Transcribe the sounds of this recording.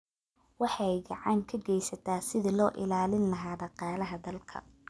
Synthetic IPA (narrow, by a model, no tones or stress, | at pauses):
wɑħɑjɡɑʕɑŋkʰɐɡɛjsɐt̪ʰaːsɪðɪlɔːʔɪ̰laːlɪnlɐɦaːɖɑqɑːlɐɦɐd̪ɐlkʰɐ̰